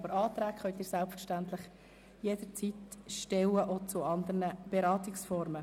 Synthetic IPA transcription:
bəɾɑːt̪ɾæːkχœnt̪iːɾsælpfəɾʃtæntlɪχ | jed̥əɾt͡sitʃtɛwəʔot͡sʊɑnd̪əɾnəb̥eɾɑːt̪ɪksfɔɾmə

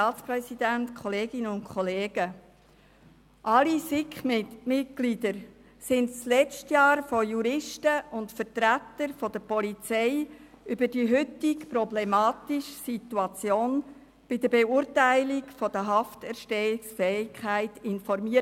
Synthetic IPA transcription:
ɑːtt͡sprɛsidæntkʰɔleːɡ̥ɪnəʊnkʰχɔleːɡə | ʔɑlisɪkmɪt̚ɡ̥lidəɾ | sɪndslɛt͡stjɑːɾfojuɾɪʃtəʊntfəɾtɾætːəɾfɔd̥̪əpɔlit͡sɛɪʔybədiɦʏtɪkprɔblɛmɑːtiʃsituɑt͡sjoːn | b̥ɪd̪əbeuːɾtæɪlikfɔd̥̪əɦɑftɛʃtɛɪksfɛɪkʰχæɪtɪnfɔɾmiə

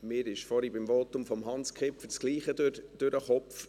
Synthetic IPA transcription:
mɪːɾɪʃfɔɾibɪmvoːtʊmfɔmɦɑnskʰɪpfəɾsɡ̥liːχədɾd̥øɾʔəχɔpf

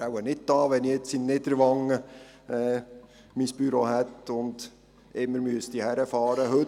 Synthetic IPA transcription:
awənɪt̚d̥ɑːʋɛniet͡sinːɪd̪əɾʋɑŋə | ɛː | miːsb̥yɾoːɦɛt̪ʊnd̪̥ | ɪmːəɾmyəst̪ihæɾəfɑːɾəɦɵ

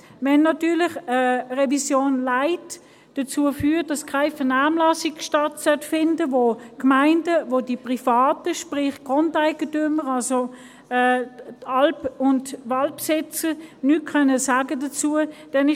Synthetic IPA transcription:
vɛnːɑtyːlɪχəʁɛvisjoːnlaɪt | d̥ɐt͡suːəfyːt̚d̥ɑskʰaɪfənaːmlɑsiɡ̥ʃtɑtsœtfɪndəvokmaɪndəvodipʁifɑːtəʃpʁɪχɡ̥ʁondaɪɡ̥ətʏməʁɑlso | ɛtɑlpʊntʋɑlpsɪt͡sənyt̚kʰœnːəsaːɡədɐt͡suːəd̥ɛnɪ

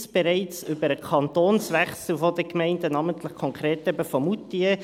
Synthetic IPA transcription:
sb̥ɛɾɛɪt͡sʏbəɾəkʰɑntoːnsʋɛχsl̩fodəkmɛɪndənɑːməntləχkʰɔŋkɾeːtɛbəfɔmutiə

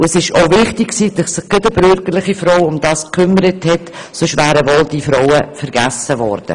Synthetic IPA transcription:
ʊɛsɪʃoʊvɪχtɪkksiːdɪssɪχkedəbʏɾɡəɾlɪχifɾowʊmd̥ɑːskʰːʏmːəɾəthɛt | sɔʃvæːɾəmɔld̥iːfɾowəfɛɾɡ̥æsːəvɔ̰ːɾd̥ə̰

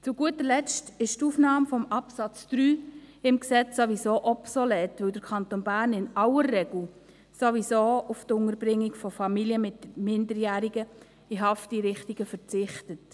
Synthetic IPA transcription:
t͡sʊɡ̥uətəlɛt͡stɪʃtuːfnɑːmfɔmɑpsɑt͡sd̥ɾyːɪmksɛt͡sːoʋisoːʔɔpsɔlɛːtʋɵwdəɾkʰɑntoːnbæːɾnɪnɑləɾːɛɡl̩ | soʋisoːuftʊŋəɾb̥ɾɪŋːiɡfɔfɑmiljəmɪtmɪndəɾjæːɾiɡə | iɦɑftd̥iɾɪχtiɡ̥əfəɾt͡sɪχtət

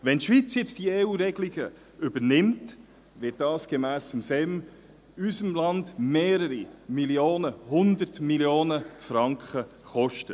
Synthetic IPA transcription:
ʋɛntʃvit͡sjɛt͡std̥ieːuːɾɛɡliɡə | ʏbəɾnɪmt | vɪt̚dɑːsɡ̥emæːsʊmsɛm | ysəmlɑndmeːɾəɾimiljoːnəhʊndəɾtmiljoːnəfɾɑŋkχə | χɔʃtə

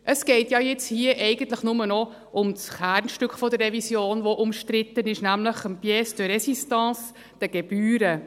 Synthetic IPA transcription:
ʔəsɡ̥ɛɪtjɑːjɪt͡shiəʔɛɪɡ̥ən̩t̪ləχnʊmənɔ | ʔʊmsχæːɾnʃtʏkχfɔd̪ərːɛvisjoːnʋoʔʊmʃtɾɪt̪ːənɪʃnæmləχəmpjɛsd̥ərɾɛsistɑ̃ːs | d̪̥ɛɡ̥ɛb̥yːɾə

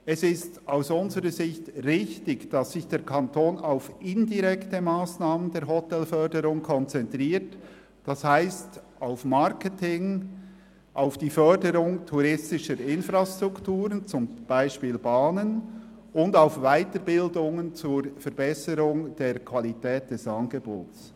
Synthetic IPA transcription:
ɛsɪstaʊsʊnzəɾəzɪçtʁɪçtɪçd̥ɑsːɪçd̥eːɾkʰantʰoːnaʊfɪndiʁɛktəmaːsnaːməndeːɾɦɔtɛlfœrdəɾʊŋkʰɔnt͡sɛntʁiːɾt | d̥ashaɪst | aʊfmaɾkətɪŋ | ʔaʊfd̥iːfœɹdəɾʊŋtʰuɾɪstɪʃəɾɪnfɾastʁʊktuːɾənt͡sʊmb̥aɪʃpiːlbaːnən | ʊndaʊfvaɪtəɾbɪldʊŋənt͡suɹfɛɐɾbɛsəɾʊŋd̥eːɾkʰv̥alitɛːt̚d̥ɛsɑnɡebo̰ːts

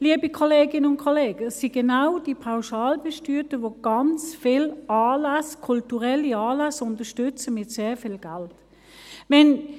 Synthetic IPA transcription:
liəbikʰoleːɡɪnəʊnkʰoleːɡ̥əsiɡ̥enaʊd̥ipʰaʊʃɑːlbɛʃtyːtəʋoɡ̥ɑnt͡sfɪlaːlaskʰʊltuʁɛliɑːlasʊntəʃtʏt͡səmɪtseːɐfɪːlɡ̥alt | vɛn

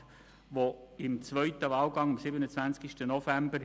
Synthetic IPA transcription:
ʋoɪmt͡svœʏtəvɑːlɡɑŋɑmsɪbənət͡svænt͡skiʃtənɔfæmbəɾ

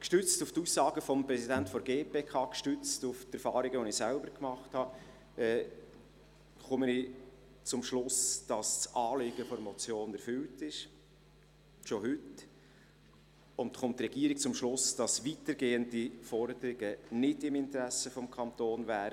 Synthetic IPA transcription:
kʃtʏt͡stuftuːsːɑːɡ̥əfɔmpɾɛsidæntfɔɾɡeːpeːkʰɑːkʃtʏt͡stuft̪ɛɾfɑːɾiɡəʋonɪsælbəɾkmɑχthɑ | ɛː | χʊməni | t͡sʊmʃlʊsd̥ɑssʔɑːlɪɡ̥əfɔɾmɔt͡sjoːnɛɾfʏltɪʃ | ʃohʏt | ʊntχʊmt̪ːrɛɡ̥iːəɾik̚t͡sʊmʃlʊsd̥ɑsʋitəɾɡeːəndifɔɾdəɾɪɡənɪdɪmɪntəɾæsəfɔmkʰɑnt̪oːnvæːɾə

